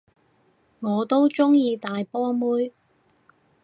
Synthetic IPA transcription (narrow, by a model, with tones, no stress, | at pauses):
ŋɔː˨˧t̪o˥wt͡sʊ˥ŋjiː˧t̪aː˨jpɔː˥muː˥j